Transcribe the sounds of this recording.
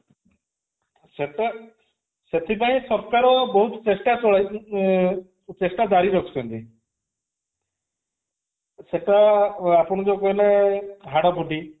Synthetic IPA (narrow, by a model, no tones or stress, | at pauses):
set̪a | set̪ʰipaĩsɔɾkaɾɔbɔɦut̪ɔ̥t͡ʃesʈat͡ʃɔɭ | t͡ʃesʈad̪aɾiɾɔkʰu̥t͡ʃʰɔnt̪i | seʈaapɔɽ̃ɔd͡ʒokɔɦilaɦaɽapuɖʱi